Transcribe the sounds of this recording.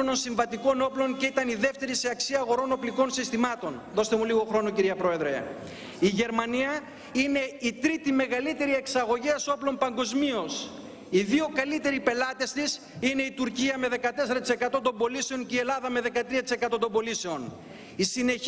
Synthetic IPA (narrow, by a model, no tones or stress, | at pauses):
ononsiɱvɐt̪iko̞no̞plo̞ŋce̞it̪ɐniðe̞ft̪e̞ɾiseɐksiɐːɣo̞ɾo̞no̞pliko̞nsist̪imɐt̪o̞nðo̞st̪e̞muliɣo̞xɾo̞nociɾiɐpɾo̞e̞ðɾe̞ | iʝe̞ɾmɐniɐ | ine̞it̪ɾit̪ime̞ɣɐlit̪e̞ɾie̞ksɐɣo̞ʝiɐso̞plo̞mpɐŋɡo̞zmio̞s | iðio̞kɐlit̪e̞ɾipe̞lɐt̪est̪is | ine̞it̪uɾciɐme̞ðe̞kɐt̪e̞se̞ɾɐt̪ise̞kɐt̪o̞t̪̬o̞mbo̞lise̞o̞nceie̞lɐðɐme̞ðe̞kɐt̪ɾiɐt̪i̥se̞kɐt̪o̞t̪ombo̞lise̞o̞n | isine̞